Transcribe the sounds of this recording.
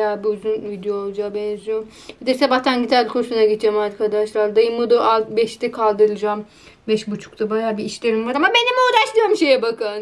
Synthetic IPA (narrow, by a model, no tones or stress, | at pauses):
jaːbyzynvid̪ejolˠd͡ʒaːbɛnzyjo | hed̪iɾsebaht̪ʰænɟit̪ʰælʲkʰoʃunaɟit̪̚d͡ʒɛmaɾkʰad̪aʃlˠaɾd̪ajɯmːud̪uʔalˠt̪bɛʃt̪ɛkʰalˠd̪ɯɾɯd͡ʒam | bɛʃbut͡ʃʰu̥k̚t̪ʰabajaːbiːʃlʲeɾimvaɾamabe̞nimoːd̪aʃlˠɯjoɾmʃe̞jɛbakʰɯn